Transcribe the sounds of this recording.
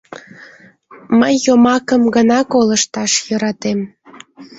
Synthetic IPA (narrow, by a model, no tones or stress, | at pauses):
məjːomɑkəmɡənɑkoləʃt̪ɑʃjəɾɑt̪em